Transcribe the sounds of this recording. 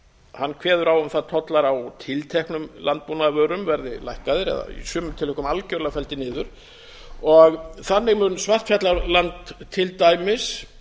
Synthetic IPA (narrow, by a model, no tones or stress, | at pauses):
hanːkʰvɛːðʏɾawʏmθaðt̪ʰɔt̪laɾawt̪ʰɪlt̪ʰɛhknʏmlant̪̚punaðvœːɾʏmvɛɾðɪlajhkaðɪɾɛ̰ða̰ḭsʏːmʏt̪ʰɪlʏkʏmalcœɾlafɛlt̪ɪnɪːðʏɾ̥ | ɔɣθanːɪɣmʏnsvaht̪fjat̪laɾlant̪ʰːɪlt̪aːjmɪs